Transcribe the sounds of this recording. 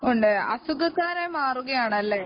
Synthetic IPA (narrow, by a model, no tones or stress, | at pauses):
oɳɖɨɐ̰suɡɐkːaːɾemaːruɣɐjaːɳɐlːe